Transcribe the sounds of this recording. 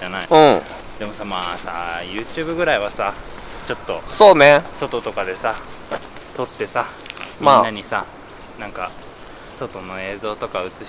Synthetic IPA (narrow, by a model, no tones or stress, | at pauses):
anaiɯ̃ | d̪e̞mo̞samaːsa̰jɯ̟ːt͡ɕɨːbɯ̟ɡɯ̟ɾaiβasa | t͡ɕo̞t̪ːo̞soːneso̞t̪o̞t̪o̞kad̪e̞sa | t̪o̞t̪ːe̞sa | mianːaɲ̟isa | nãŋka | so̞t̪o̞no̞e̞ːzo̞ːt̪o̞kaɯ̟t͡sɨ